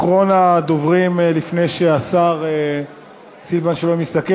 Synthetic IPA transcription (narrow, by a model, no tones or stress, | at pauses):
ʁonad̪o̞vʁimlifne̞jʃeasaʁe | silvanʃelomist̪ake